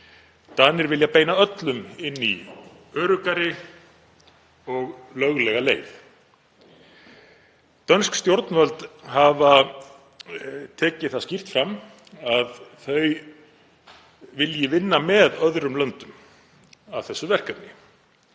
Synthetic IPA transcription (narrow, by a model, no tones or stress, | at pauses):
t̪anːɪɾvɪljapeːjnaœt̪lʏmɪnːiœːɾʏkaɾɪ | ɔɣlœɣlɛɣalḛːjv | t̪œnskst̪jowɾt̪nvœlt̪hava | t̪ʰɛːcɪθascir̥t̪fɾamː | aðθœɥ | vɪljɪvɪnːamɛðœðɾʏmlœnt̪ʏm | avθɛsːʏvɛr̥kat̪nɪ